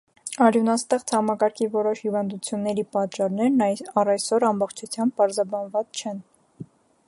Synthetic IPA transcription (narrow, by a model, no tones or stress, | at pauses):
ɑɾjunɑst̪ɛχt͡sʰhɑmɑkɑɾkʰivɔɾɔʃhivɑnd̪ut͡sʰjunːɛɾipɑt̪t͡ʃɑrnɛɾnɑrɑjsɔɾɑmbɔχt͡ʃʰut͡sʰjɑmb̚pɑɾzɑbɑnvɑt͡sʰt͡ʃʰɛn